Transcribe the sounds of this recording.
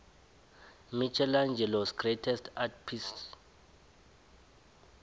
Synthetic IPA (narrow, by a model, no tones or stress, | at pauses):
mit͡ʃʰɛland͡ʒʱɛlɔsɡretʰɛstʰatpʰist